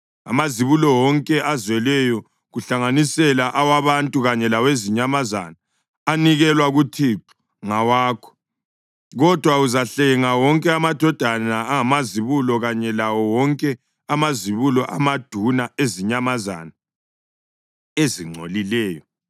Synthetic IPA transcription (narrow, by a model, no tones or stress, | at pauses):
a̰maziβulɔwɔŋkʼɛʔazwɛlɛjɔ | ɣuɬaŋanisɛlaʔawaβantʼuɣaɲɛlaweziɲamaza̰naː | niɣɛlwaɣutʰiǁu̥ | ŋawaːkʰɔ̥ | ɣɔd̥ʱwauzaɬɛŋawɔŋkʼɛamad̥ʱɔd̥ʱanaːŋamaziβulɔɣaɲɛlawɔwɔŋkʼɛ | amaziβulɔʔa̰mad̥ʱunaeziɲamaza̰na | eziŋ͡ǀʱo̰lilɛːjɔ